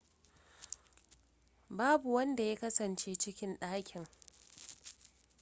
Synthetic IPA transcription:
baː˦bu˨wɐ˦nda˨ja˦kɐ˦sɐ˨nt͡ʃeː˦t͡ʃɪ˦kʲɪ˦nɗaː˦kʲɪ˨ŋ

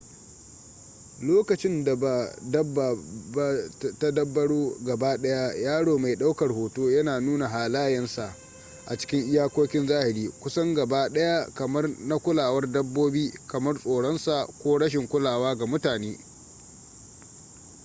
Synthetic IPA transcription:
loː˦kɐ˨t͡ʃɪ˦nda˨a˨dɐ˦b | ta˦dɐ˦bːɐ˦ɽuː˦ɡɐ˨baː˦ɗɐ˦ja˦jaː˦ɽoː˨ma˨jɗa˦wkɐ˨rhoː˨toː˦jɐ˦naː˨nuː˦na˨ɦaː˨laː˦jɛ˦nsa˨ʔ | ʔa˨t͡ʃɪ̥˦kʲɪ˦ŋʔɪ˦jaː˦kʷoː˦kʲɪ˦nzaː˦hɪ˨ɾiː˦kʷʊ˦sɐ˦ŋɡɐ˨baː˦ɗɐ˦ja˦kɐ˨mɐ˦rna˦kʷʊ˦laː˨wɐ˦rdɐ˦bːoː˦biː˦kɐ˨mɐ˦rsʼoː˨ɽɔ˦nsa˨ʔkʷoː˦ɽɐ˦ʃ̬ɪ˨ŋkʷʊ˦laː˨waː˦ɡa˨mʊ˦taː˨neː˦

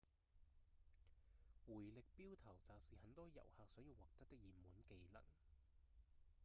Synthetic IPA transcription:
wuː˨˩jlɪ˨k̚piː˥wt̪ʰɐ˨˩wt͡saː˨wsiː˨hɐ˨˧nt̪ɔː˥jɐ̰˨˩whaː˨˧k̚sœː˨˥jiː˧waː˨k̚t̪ɐ˥t̚t̪ɪ˥k̚jiː˨mmːuː˨˥nke˧jlɐ̰˨˩ŋ

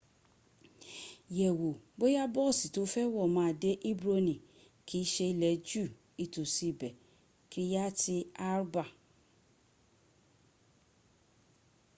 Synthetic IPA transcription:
jɛ˨wo˨bo˦ja˦bɔ˦˨si˨to˨˦fɛ˦wɔ˦˨mãː˨˦˨de˦ʔi˦bɾo˧nĩ˨ | kʰi˨˦ʃe˧i˧lɛ˨˦d͡ʒu˦˨ | i˧˨to˨si˧bɛ˨ | ki˦i˦ja˦ti˧a˦ɾba˦˨

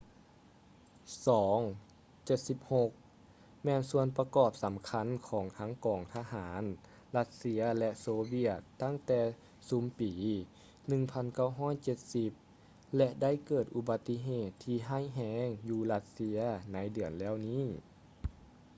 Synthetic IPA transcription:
sɔː˩˦ŋ | t͡ɕe˧t̪̚si˧˦p̚ho˧k̚ | mɛː˧nsu˧ənpa˧kɔː˧˩p̚sa˩˦mkʰa˧˥˨nkʰɔː˩˦ŋt̪ʰaː˧˥ŋkɔː˨˩ŋt̪ʰaː˧ɦaː˩˨˦n | la˧t̪̚si˧˥ɐlɛ˧ʔsoː˧bi˧˩ət̪ːa˥˨ŋt̪ɛː˧˩ | suː˨˦mpiː˨˦ | nɯ˧˨ŋpʰa˧˥˨nka˥˩wɦɔː˧˥˨jt͡ɕe˧˥t̪̚si˧p̚ | lɛ˧ʔda˥˨jkɤː˨˩t̪̚ʔu˧ba˧t̪ːi˧˥ɦeː˧˩t̪ʰːiː˧ɦaː˥˩˨jɦɛː˧˥ŋjuː˧la˧t̪̚si˧˥ɐna˨˥jdɯ˨˩ənlɛː˧˥˨wniː˥˨

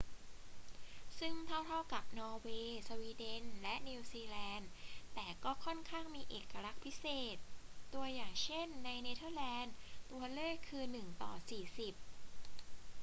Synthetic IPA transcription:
sɯ˥˩ŋt̪ʰa˥˩wt̪ʰa˥˩wka˨˩p̚nɔː˧weː˧sa˧wiː˧de˧nlɛ˦˥ʔniː˧wsiː˧lɛː˧nt̪ɛː˨˩kɔː˥˩kʰɔ˥˩nkʰaː˥˩ŋmiː˧ʔeː˨˩kːa˧ɾa˦˥k̚pʰi˦˥seː˨˩t̪̚ːu˧ɐjaː˨˩ŋt͡ɕʰe˥˩nːa˧jneː˧t̪ʰɤː˥˩lɛː˧nt̪u˧ɐlɤː˥˩kʰːɯː˧nɯ˨˩ŋt̪ɔ̰ː˨˩siː˨˩si˨˩p̚

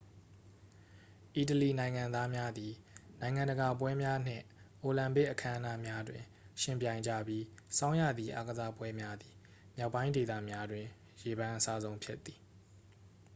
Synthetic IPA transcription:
ʔi˦t̬əli˨nã˨ɪ̃ŋã˨nd̪a˦mja˦d̪i˨nã˨ɪ̃ŋã˨ndə˨ɡa˨p̬wɛ˦mja˦n̥ɪ̰̃˦˨ʔo˨lã˨mpe˦ʔəkʰã˦ʔə˦na˦mja˦dwɪ̃˨ | ʃɪ̃˦˨mpjã˨ɪ̃ɲd͡ʑä̰˦˨bji˦sã˦ʊ̃jä̰˦˨d̪ði˨ʔa˦ɡəza˦pwɛ˦mja˦d̪i˨ | mja˦ʊʔpːã˦ɪ̃nde˨t̪a̰˦˨mja˦dwɪ̃˨ | je˨bã˨˦ʔəsa˦zõ˦ʊ̃mpʰjɪ˦t̪ːi̥˨

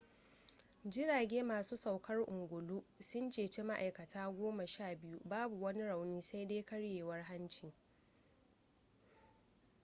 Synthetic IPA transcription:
d͡ʒɪ˦ɽaː˨ɡʲeː˦maː˨suː˦sa˨wkʰɐ˦rʔʊ˨ŋɡʷʊ˨luː˦sʊ˦nt͡ʃeː˨t͡ʃeː˦ma˦ʔa̰˨jkɐ˨tʰaː˦ɡʷoː˦ma˨ʃaː˦˨bɪ˦ju˦baː˦bu˨wɐ˦ni˦ɽa˨wniː˦sa˦jda˦kɐ˦ɽjeː˨wɐ˦rɦa˦nt͡ʃɪ˨ŋ

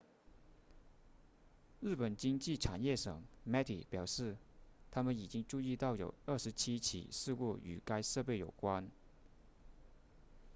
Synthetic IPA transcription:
ɻ̩˥˩pə˨˩nt͡ɕi˥ŋt͡ɕi˥˩ʈ͡ʂʰa˨˩njɛ˥˩ʂɤ̰˨˩˦ŋmɛ˥t̪ḭ˨˩pjɑ˨˩ʊʂɻ̩˥˩t̪ʰa˥mə˨˦ni˨˩t͡ɕi˥ŋʈ͡ʂu˥˧i˥˧t̪ɑ˥˩ʊjo̰˨˧˩ʊə˥˩ʂɻ̩˧˥t͡ɕʰi˥t͡ɕʰḭ˨˩˦ʂɻ̩˥˧ku˥˩y̰˨˩ka˥ɪʂɤ˥˧pe˥˩ɪjo˨˩ʊkwa˥n

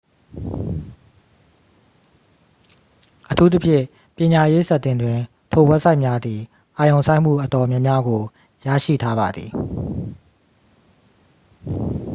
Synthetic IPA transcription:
ʔətʰu˦t̪̬ə˦pʰjɪ̰̃˦˨ | pjɪ̃˨ɲa˨je˦sa˦˨t̪ɪ̃˨ndwɪ̃˨ | tʰo˨wɛ˦ʔsʰa˦ɪʔmja˦d̪ði˨ | ʔa˨jõ˨ʊ̃sʰã˦ɪ̃m̥ṵ˦˨ʔətɔ˨mjã˦mja˦ɡo˨ | ja̰˦˨ʃḭ˦˨tʰa˦ba˨d̪ði˨

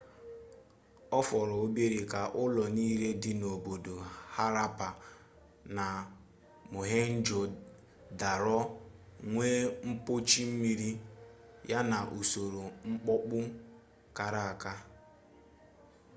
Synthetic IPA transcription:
ɔ˦fɔ˨ɾɔ˨o˦be˦ɾi˨ka˨ʔʊ˦lɔ˨niː˦le˦dɪ˨no˨bo˨do˨ha˦ɾa˦pa˨ | na˨ | mo˨ɦe˦n̩˦d͡ʒo˨ | da˨ɾɔ˦ŋʷe˦ŋ͡m̩˦po˦t͡ʃi˦m̩˦mi˦ɾi˦ | ja˦na˨ʔu˨so˨ɾo˨ŋ͡m̩˦k͡pɔ˦k͡pʊ˦ | ka˨ɾa˨a˨ka˦

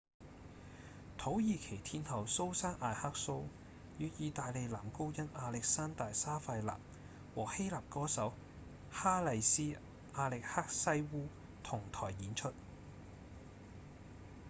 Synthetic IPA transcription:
t̪ʰo˨˥wjiː˨˧kʰe˨˩jt̪ʰiː˧nt̪ʰɐ˨˩wso˥wsaː˥ŋʔaː˧jhaː˥k̚so˥w | jyː˨˧t̚jiː˨˧t̪aː˨˧jle˨˧jlaː˨˩mko˥wjɐ˥naː˧lɪ˨k̚saː˥nt̪aː˨jsaː˥fɐ˧jla̰ː˨p̚ | wɔː˨˩he˥jlaː˨p̚kɔː˥sɐ˨˥w | haː˥lɐ˨jsiː˥ | ʔaː˧lɪ˨k̚haː˥k̚sɐ˥jwuː˥ | t̪ʰʊ˨˩ŋt̪ʰɔː˨˩jːiː˨˥nt͡ʃʰɵ˥t̚

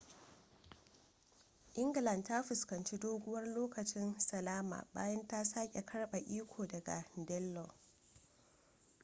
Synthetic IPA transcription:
ʔɪ˦ŋɡɪ˨lɐ˨ndta˦ɸʊ˨skɐ˨nt͡ʃi˦doː˦ɡʷʊ˦wɐ˦rloː˦kɐ˨t͡ʃɪ˦nsɐ˨laː˦ma̰ː˨ba̰ː˦jɐ˦nta˦saː˦kʲʼe˨kʰɐ˦rɓa˨ʔiː˦kʷʰoː˨dɐ˨ɡa̰˨dɛ˦lːɔ˨

